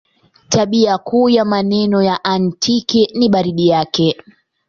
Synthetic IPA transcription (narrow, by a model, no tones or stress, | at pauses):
taɓiakuːjamanɛnɔjaʔantʰikɛniɓaɾiɗijakɛ